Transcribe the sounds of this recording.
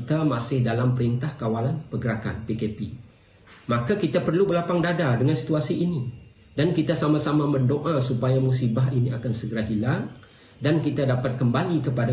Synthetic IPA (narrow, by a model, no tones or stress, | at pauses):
t̪amasɪhdalampəɾint̪ahkawalanpəɡəɾaka̰npekepi | makakit̪apərlubəlapaŋdadadəŋãnsi̥t̪uasiʔini | dankit̪asamãsamãmə̃ndoʔasupajamusibaɦiniakansəɡəɾaɦilaŋ | dankit̪adapat̪̚kəmbalikəpada